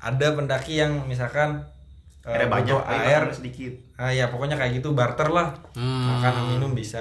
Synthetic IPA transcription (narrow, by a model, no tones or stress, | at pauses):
ʔa̰dapəndakijaŋmis̬alkan | ʔəabat͡ʃɔʔaaɪrsədikɪt̪̚ajapɔkɔɲakajaɡit̪ubart̪ərlahmakanaminʊmbisa